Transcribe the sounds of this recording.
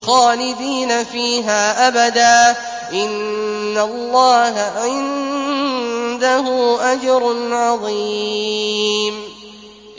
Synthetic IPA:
xaːlɪd̪iːnafiːɦaːʔabad̪aː | ʔɪnːalːɑːhaʕɪn | d̪aɦʊʔad͡ʒɑɾʊnʕɑðˤi | m

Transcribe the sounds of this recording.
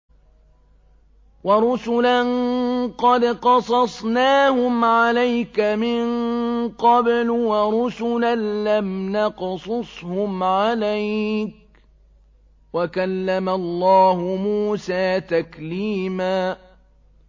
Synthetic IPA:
wɑɾˤʊsʊlanqɑd̪qɑsˤɑsˤnaːhʊmʕalajkamɪŋqɑblwaɾˤʊsʊlanlamnɑqsˤʊsˤhʊmʕalajk̚ | wakalːamalˤːɑːhʊmuːsaːt̪akliːmaː

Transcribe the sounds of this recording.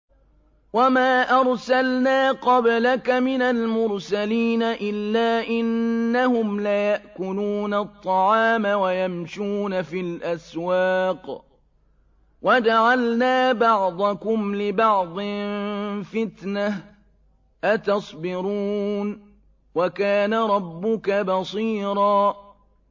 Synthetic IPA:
wamaːʔɑɾˤsalnaːqɑblakamɪnalmʊɾsaliːnaʔɪlːaːʔɪnːahʊmlajaʔkʊluːnat̪ˤːɑʕɑːmawajamʃuːnafilʔaswaːq | wad͡ʒaʕalnaːbɑʕd̪ˤɑkʊmlɪbɑʕd̪ˤɪ | fɪt̪nah | ʔat̪ɑsˤbɪɾuːn | wakaːnaɾˤɑbːʊkabɑsˤiːɾɑː

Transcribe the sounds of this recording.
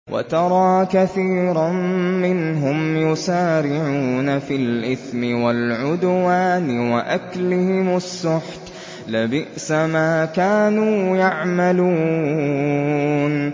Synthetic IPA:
wʔa̰t̪ɑɾˤɑːkaθiːɾˤɑːɪnɦʊmjʊsaːɾɪʕuːnafilʔɪθmɪwalʕʊd̪waːnɪwaʔaklɪhɪmʊsːʊħt̪ | labɪʔsamaːkaːnuːjaʕmaluː | n

